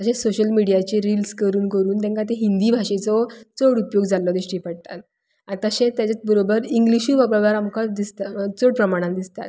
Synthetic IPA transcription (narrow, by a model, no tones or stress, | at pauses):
t̪əɕẽsoɕəlmiɽijat͡ɕeɾilskəɾuːnkəɾuːnt̪̬ɛ̃ŋkat̪̬eɦind̪iːbʱaɕet͡sɔt͡soɽupjoɡd͡zalɔd̪iɕʈiːpəɽt̪at̪̚ | at̪əɕẽt̪jat͡ɕat͡sbəɾobəɾiŋɡliɕuːbaɡaʋaɾamkad̪ist̪at͡soɽpɾəmaɽ̃ãnd̪ist̪a̰t̪